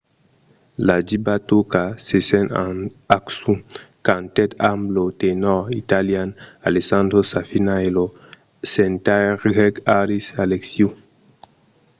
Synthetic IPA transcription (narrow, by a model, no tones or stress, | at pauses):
lad͡ʒibat̪ukasesena | aksukant̪ɛt̪amblot̪enɔit̪aljanalesãnd̪ɾosafinaelo | sent̪aɾɡɛkaɾisaleksju